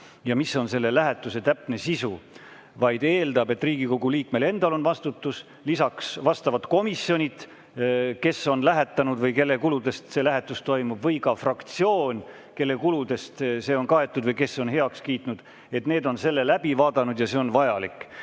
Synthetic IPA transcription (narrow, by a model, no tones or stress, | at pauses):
jɑmiso̞nse̞lːe̞læɦet̪ːˑuse̞t̪æpne̞sisu | vɑjd̪̥e̞ːld̪ɑbe̞t̪ːˑriːɡ̥iko̞ɡuliːkmele̞nd̪̥ɑlo̞nvɑst̪ut̪ːus | lisɑksvɑst̪ɑvɑt̪ko̞misjo̞nʲit̪ | ke̞so̞nlæɦe̞t̪ːˑɑnud̪vɤjke̞lːe̞kulud̪̥e̞st̪se̞læɦe̞t̪ːˑust̪o̞jmub̥vɤjkɑfrɑkt̪sio̞ːnʲ | ke̞lːe̞kulud̪̥e̞st̪se̞ːo̞nkɑe̞t̪ːˑud̪vɤjke̞so̞nhe̞ɑkskiːt̪nud̪̥ | e̞t̪neːd̪o̞nse̞lːelæb̥ivɑːd̪̥ɑnud̪jɑse̞o̞nvɑjɑlikːˑ